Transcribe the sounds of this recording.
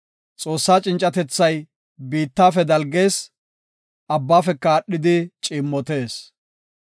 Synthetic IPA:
t͡sʼo̞ːsːaːt͡ʃʼɪnt͡ʃʼɐt̪ɛt͡sːɐj | biːt̪ːaːfɛd̪ɐlɡe̞ːs | ʔɐbːaːfɛkːaːɗːɪd̪ɪt͡ʃʼɪːmːɔt̪e̞ːs

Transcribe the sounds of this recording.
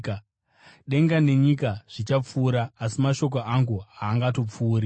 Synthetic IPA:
k | ɗe̞ŋɡane̞ɲikaʐ̥it͡ʃap͡fuːɾaːsimaʃo̞k̬oʔaŋɡuɦaːŋɡato̞p͡fuːri

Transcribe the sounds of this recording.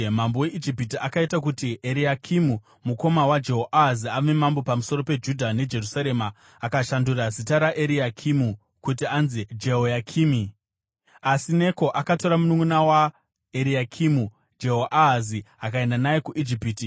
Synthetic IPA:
mambo̞we̞ʔid͡ʒipitiakaitakutiʔeɾijakʰimu | muko̞mawad͡ʒe̞ɦoʔaɦziame̞mambo̞pamuso̞ɾo̞pe̞d͡ʒudʱane̞d͡ʒe̞rusaɾe̞maː | kaʃandurazitaɾaʔeɾiakʰimu | kutianzid͡ʒe̞ɦojakʰiːmi | asine̞ko̞ʔakato̞ɾamunuŋunawa | eɾiakʰimu | d͡ʒeɦoʔaɦaziakae̞ndanaje̞kuʔid͡ʒipiti

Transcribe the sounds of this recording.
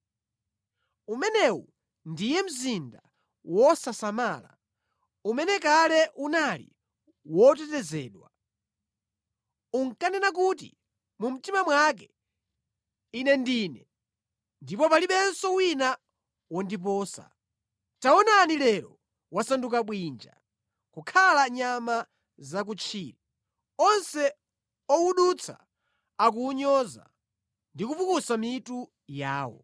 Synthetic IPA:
umɛnɛwu | ndijɛm̩zinda | wɔsasamaːla̰ | umɛnɛkalɛʔunalḭ | wɔt̬ɛtɛzɛ̰ːɗwa | uŋkanɛnak̬ut̬ḭ | mum̩timamwak̬ɛ | inɛndiːnɛ | ndipɔpaliɓɛnsɔwina | wɔndip̬ɔːsa̰ | taɔnanilɛɾɔ̰ | wasanduk̬aɓwiːnd͡ʒa̰ | kukʰalaɲama | zak̬ut͡ʃʰiːli | ɔnsɛ | ɔuɗut͡sʰa̰ | ak̬uːɲɔza̰ | ndikupukusamitu | jaːwɔ̰

